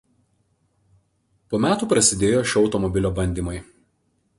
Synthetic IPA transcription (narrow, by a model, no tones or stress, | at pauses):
poːmʲæːt̪uːpɾɐsʲɪd̪ʲeːjoːʃʲɒʊt̪ɔmɔbʲɪlʲoːbɐnʲd̪ʲiːmɐɪ